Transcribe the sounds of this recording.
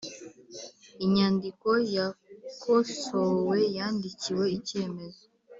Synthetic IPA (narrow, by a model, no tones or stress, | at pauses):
iɲaːndiko̞jakʰoʃowe̞jaːndiciwe̞iceme̞zo